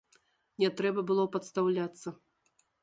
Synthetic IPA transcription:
nʲɛt̪ɾɛbɐbɨlˠɔpɐt̪st̪awlʲat̪sːɐ

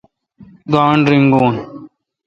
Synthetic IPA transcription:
ɡaːɳɾiŋɡoːn

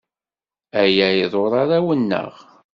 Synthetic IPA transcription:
æjæjðˤoɾˤaɾæwənːə̰ʁ

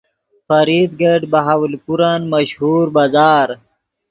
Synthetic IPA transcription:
fɐɾid̪ɡeɖbɐɦaːwlpuɾanmɐʃhuːɾbaːzaːɾ

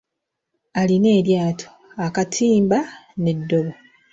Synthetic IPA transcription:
aline̞ːɾjaːtʰo̥akatʰiːmbane̞dːo̞βo

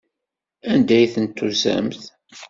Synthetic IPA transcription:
ænd̪æjθənt̪ːuzæ̰mθ

